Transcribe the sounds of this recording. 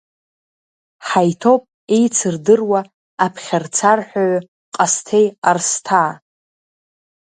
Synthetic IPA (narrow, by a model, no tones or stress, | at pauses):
ħajtʰopʼ | e̞jt͡sʰɨrdɨrwa | apʰχʲart͡sʰarħʷᶣaɥ | qʼastʰe̞jarstʰaː